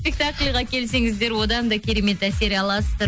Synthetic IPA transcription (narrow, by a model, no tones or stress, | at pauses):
spʲek̚t̪aklʲʁɑkʲʰe̞lse̞ŋɪzd̪e̞ɾwo̞d̪ɑnd̪ɑkʲʰe̞ɾe̞me̞t̪æse̞ɾɑlˠɑsət̪əɾ